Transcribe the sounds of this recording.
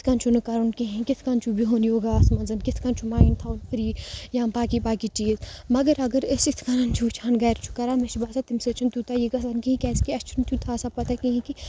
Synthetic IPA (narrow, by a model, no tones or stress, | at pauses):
t̪ʰkant͡ʃʰunukaɾunkiɦĩkɪt̪ʰkaːnt͡ʃʰubʱiɦoːnijoːɡasmɐnzɐnkɪt̪ʰkãnt͡ʃʰumaːint̪ʰaːunfɾiːjãmbaːkibaːkit͡ʃiːzmɐɡəɾɐɡəɾɪsit̪ʰkanɐnt͡ʃʰuːt͡ʃʰaːnɡɐɾt͡ʃʰu̥kɐɾaːmeʃibaːsat̪imset͡ʃʰunt̪ut̪ajiɡɐs̬ankiɦĩkʲɛskiɐst͡ʃʰunt̪ut̪ʰaːsapɐt̪akĩɦĩki